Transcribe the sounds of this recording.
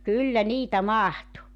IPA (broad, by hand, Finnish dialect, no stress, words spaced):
kylːæ niːtæ mɑhtu